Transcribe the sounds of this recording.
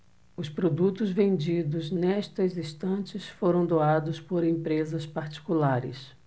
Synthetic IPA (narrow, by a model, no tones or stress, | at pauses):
ʊspɾod̪ut̪ʊzvẽnd͡ʒid̪ʊznɛʃt̪ɐzist̪ɐ̃t͡ʃɪsfoɾɐ̃w̃d̪oad̪ʊspoɾẽmpɾezɐspaɾt͡ʃi̥kulaɾɪ̰s